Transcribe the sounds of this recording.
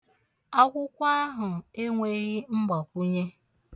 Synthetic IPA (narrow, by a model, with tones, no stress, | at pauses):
a˦kʷʊ˦kʷa˦a˦ɦʊ˨e˦ŋʷe˦ɾi˦ŋ͡m̩˦ɡ͡ba˨kʷu˦ɲe˦